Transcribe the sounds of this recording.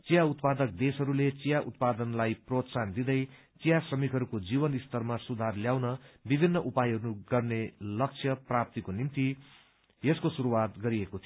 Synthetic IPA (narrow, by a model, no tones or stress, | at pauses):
t͡sijaut̪pad̪ʌk̚d̪esɦʌɾulet͡sijaʔṵt̪̚pad̪ʌnlajprot̪sand̪id̪ʌj | t͡sijasrʌmikɦʌɾukod͡zibʌnist̪ʌrmasud̪ʱarljawnʌbibʱinːʌʔupajɦʌɾunuɡʌrnelʌk̚t͡sʰjʌprap̚t̪ikonimt̪i | jeskosuɾuwat̪ɡʌɾiekot̪ʰio